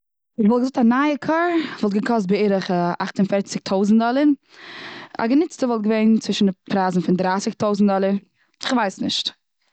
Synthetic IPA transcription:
ɪχvɔlˠɡəzʊk̚tanaːəkʰaːɾvɔlˠt̚ɡəkʰɔs̬t̚bɪɪɾəχəaχtʊnfɛɾt͡sɪk̚tʰoʊzn̩dɔlˠəɾ | a̰ɡənɪt͡stəvɔlˠt̚ɡəveɪnt͡svɪʃn̩pʰɾaːzn̩fɪndɾaːsɪk̚toʊzn̩tdɔlˠəɾ | ɪχvaɪsnɪ̰ʃt

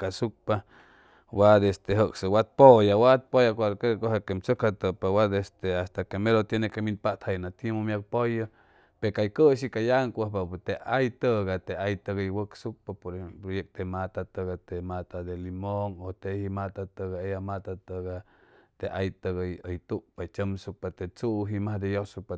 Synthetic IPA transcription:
kasuk̚pa | wad̪est̪eɦəksəwat̪̚pojawat̪̚pojakʷaɾkekoɦakemt͡sokhat̪əpawad̪est̪east̪akemeɾot̪jenekeminpat̪hajnat̪imomjak̚pojə | pekajkəʃ̬ikajaŋkʷəhpat̪eʔajt̪əɡat̪eajt̪əɣəjwəksuk̚papoɾpɾojek̚t̪emat̪at̪əɡat̪emat̪ad̪elimoŋot̪ehimat̪at̪əɡaejamat̪at̪əɡa | t̪eʔajt̪əɡəjəjt̪upat͡ʃəmsuk̚pat̪et͡suʔɦimahd̪ejosuk̚pa

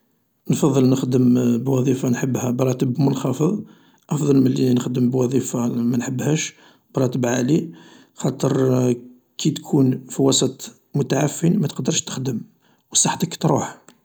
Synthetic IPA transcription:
nfɑðˤːəlnəxd̪əmbwɑðˤifanħəbːhæbɾˤɑt̪əbmʊlxɑfəðˤ | ʔɑfd̪ˤɑlməlːinəxd̪əmbwɑðˤifɑmænħəbːhæʃ | bɾˤɑt̪əbʕali | xɑt̪ˤəɾ | kʰit̪kʰunfiwɑsˤət̪ˤ | mʊt̪aʕafːinmæt̪qd̪əɾˤʃt̪ə̥xd̪əm | wəsˤːɑħt̪əkt̪ɾˤuħ

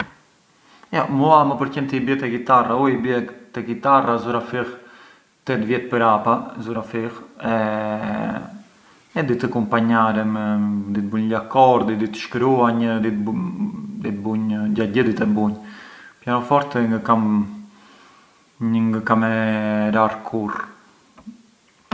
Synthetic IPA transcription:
jamuamapəɾcɛnt̪əibjɛt̪ɛkit̪arauibjɛt̪ɛkit̪arazuɾafiʁ | t̪ɛt̪vjɛt̪̚pəɾapazuɾafiʁɛ | ɛd̪it̪əkumpaɲaɾɛmɛd̪it̪̚buɲlakɔɾd̪id̪it̪ə̥ʃkɾuaɲd̪it̪ | d̪it̪buɲɟaɟəd̪it̪ɛbuɲpjanɔfɔɾt̪ɛŋɡəkam | ɲəŋɡəkamɛɾaɾkʰuɾ

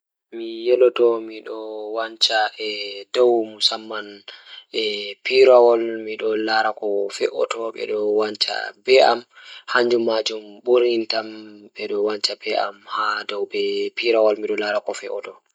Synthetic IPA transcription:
mijɛlɔtɔmiɗɔwaɲt͡ʃaɛdɔwmusamːan | ɛpiɾawɔlmiɗɔlaɾakɔfɛʔɔ̰tɔɓɛ̰ɗɔwaɲt͡ʃa̰bɛʔa̰mhaɲd͡ʒumːad͡ʒumɓoɾintamɓɛɗɔwant͡ʃabɛʔa̰mhadɔwbɛpiɾawɔlmiɗɔlaɾakɔfɛ̰ʔɔtɔ

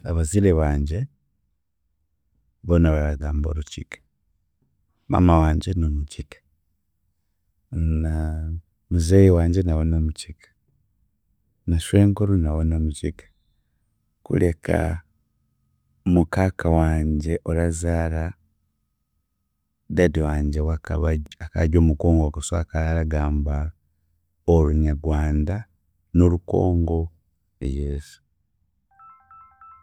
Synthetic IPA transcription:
aβaziɾeβaːɲɟe̞ | βonaβaɾaɡaːmboɾucikḁ | βa̰mawaːɲɟenomucikḁ | na | muzejiwaːɲɟe̞nawonomucikḁ | naʃwe̞ːŋɡoɾunawonomucikḁ | kṵle̞kʰa̰ | mukaːkʰawaːɲɟe̞ʔolazaːla | dediwaːɲɟewaβakaɟo̞ːmuko̞ːŋɡokasa̰ːkalalaɡaːmba | oluɲaɡwaːnda | noluko̞̰ːŋɡo̞ | ḛjeːsu̥

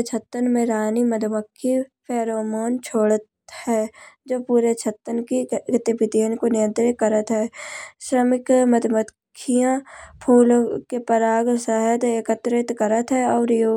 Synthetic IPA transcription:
t͡ʃʰət̪ːənmẽɾaːniməd̪ʱməkʰːipʰɛːɾoːmoːnt͡ʃʰoːɽət̪ | hɛːd͡ʒoːpuːɾet͡ʃʰət̪ːənkiɡt̪ɪbɪt̪iənkonɪjə̃nt̪ɾɪkəɾət̪ɦɛːʃɾəmɪkməd̪ʱməkʰːijãpʰuːlkepəɾaːɡsɛɦəd̪ekət̪ɾɪt̪kəɾət̪ɦɛɔːɾjoː

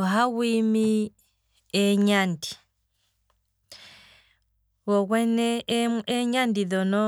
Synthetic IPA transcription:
ɦawwiːmi | eɲandi̥ | wokweneeɲandiðono

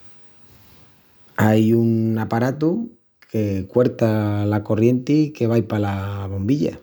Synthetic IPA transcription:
ajunapaɾat̪u | kʰe̞kwe̞ɾt̪alako̞rje̞nt̪ike̞β̞ajpalaβo̞mbiʎa̰

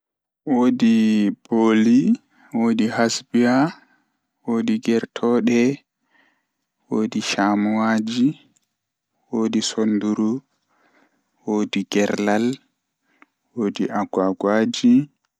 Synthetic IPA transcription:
woːdiboːli | woːdihasbia | woːdiɡɛɾtʰɔɗɛ | wodiʃamuwad͡ʒi | woːdisonduɾu | woːdiɡɛɾlal | wodiʔaɡaɡwaːd͡ʒi

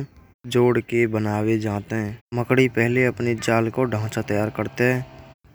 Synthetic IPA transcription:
d͡ʒoːɽkebənaːwed͡ʒãːt̪eɦɛ̃ːməkɽipɛɦleəpned͡ʒaːlkoɖʱãːt͡ʃat̪əjaːɾkəɾt̪eɦɛ̃ː

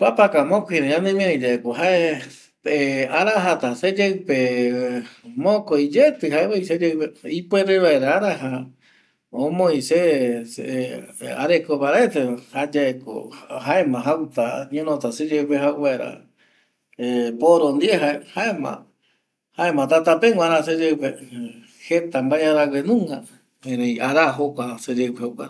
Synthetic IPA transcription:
papakamõkoĩɾẽjãnẽmĩãid͡ʒaekoɦae | eaɾaɦat̪ased͡ʒewpe | mõkojd͡ʒet̪ɨɦaeβaised͡ʒewpeipeɾeʋaeɾaaɾaɦa | õmõjses | a̰ɾekoβaɾaetehad͡ʒaeko̰ɦaemãɦawt̪aɲõnõt̪ased͡ʒewpeɦawβaeɾa̰ | epoɾond̪ieɦaehaemã̰ | haemãt̪at̪apeŋɡʷãɾãsed͡ʒewpe | het̪ambaeaɾawenũŋɡa | ẽɾẽĩaɾaɦokʷased͡ʒepeokʷaɾ

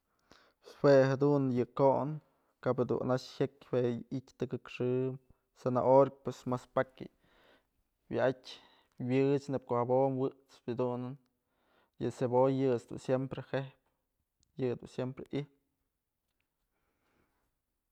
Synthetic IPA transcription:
swehad̪unjɨkoʔn | kaped̪ṵnaʂhekʲweitʲt̪ɨkɨkʂɨ | sena̰ʔoɾk̚pwesmaspakʲḭ | wa̰atʲ | wɨt͡ʃnɨb̚kohabomwɨʔt͡sbɨd̪unɨn | jɨsebojːɨt͡sd̪ṵnsjempɾehehp̚ | jɨd̪ṵnsjempɾeʔih

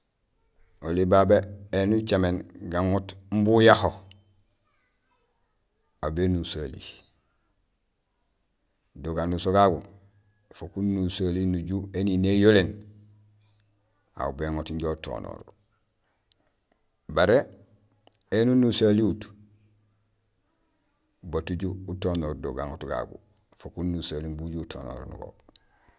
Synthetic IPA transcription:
olibabeenut͡ʃamenɡaŋotm̩bujaho | abenusalḭ | doɡanusoɡaɡo̰ | fokunusalinuɟueninejolen | a̰ubeŋotiɲɟouto̰ːno̰ːɾ | baɾe | enunusaliut | batuɟuutoːnoːɾdoɡa̰ŋotɡa̰ɡṵ | fokunnusaliŋbuɟuːtʰo̰ːno̰ːɾnṵɡo̰

